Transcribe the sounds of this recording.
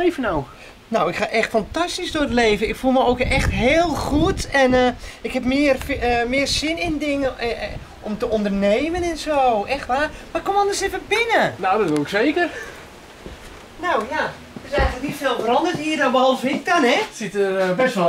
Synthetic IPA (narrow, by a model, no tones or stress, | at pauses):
ejvənaw | nowɪkxaʔɛxtfantastisdʊətleːvəɪkfulˠməoːkɛxtɦeːəlˠxutɛnɪkhɛpmɪːərmɪːrsɪnɪndɪŋə | ʔɔmtəʔondərneːmənɛnsoːʔɛxtʋaːmaɪkːomɔlndəsɪfəbɪnənowdɔtʋɪlɪkseːkər | nowja | tɪsɛjɣənlək̚nitsɛlˠfəɾɔndətiːədanbəɔlˠfɪk̚danɛsɪtəbɛsʋɔ